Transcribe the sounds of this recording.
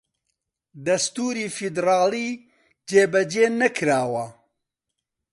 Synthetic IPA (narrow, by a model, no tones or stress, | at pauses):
d̪ɐst̪uːɾiːfid̪ɾaːliː | d͡ʒeːbɐd͡ʒeːnɐkʰɾaːwɐ